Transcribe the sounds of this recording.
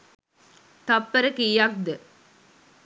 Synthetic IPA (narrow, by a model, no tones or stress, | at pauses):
t̪ɐpːɐɾɐkijaːk̚d̪ɯ